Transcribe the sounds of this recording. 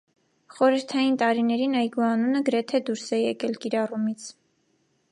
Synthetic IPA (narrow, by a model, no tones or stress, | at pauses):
χɔɾəɾt̪ʰɑjint̪ɑɾinɛɾinɑjɡuɑnunəɡəɾɛt̪ʰɛd̪uɾsɛjɛkɛlkiɾɑrumit͡sʰ